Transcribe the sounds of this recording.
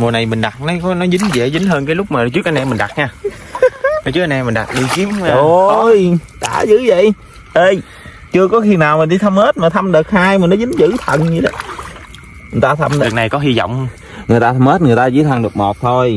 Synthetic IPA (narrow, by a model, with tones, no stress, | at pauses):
mo˨˩na˨˩jmï˨˩ŋɗa˨˩t̚nɔ˨˦kɔ˨˦nɔ˨˦zɨ̈˨˦ŋzḛ˧˩zɨ˨˦ŋ̟ɦəː˧nkaː˨˦lʊ˦˥k͡p̚maː˨˩˨t͡ɕɨ˦˥ək̚ʔa˧nɛ˧mi˨˩ŋ̟ɗa˨˩t̚ɲaː˧ | a˨˩t͡ɕɨ˦˥k̚ʔa˧nɛ˧mi˨˩ŋ̟ɗa̰˨˩t̚ni˧ki˨˦əm˧o˨˩˧jɗa̰ː˧˩zɨ̰˧˥və̰˧˨j | ʔəː˧j | t͡ɕɨ˧əkɔ˨˦xi˧naː˨˩wm˨˩ɗi˧t̪ʰa˧mhe˦˥t̚maː˨˩t̪ʰa˧mɗɨ˨˩ək̚haː˧jmaː˨˩nɔ˨˦zɨ̈˨˦ŋzɨ̰˧˨t̪ʰə˨˩nɲi˧˦ɗə̰˨˦ | ɨ˨˩t̪aː˧t̪ʰa˧mɨ˨˩na˨˩jkɔ˨˦ɦi˧zɔ̰˧˨wŋ͡m | ŋɨ˨˩əjt̪aː˧t̪ʰa˧mhe˦˥t̚ŋɨ˨˩əjt̪aː˧zɨ̰˧˥˦t̪ʰa˧ŋɗɨ˨˩ək̚mo˨˩t̚t̪ʰo˧j